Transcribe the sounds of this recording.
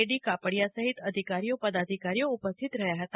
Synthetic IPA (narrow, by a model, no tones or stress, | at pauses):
eɽikapəɽijasəɦit̪əd̪ʱikaɾijopəd̪ad̪ʱikaɾijoupəst̪ʰit̪ɾəɦjaɦət̪a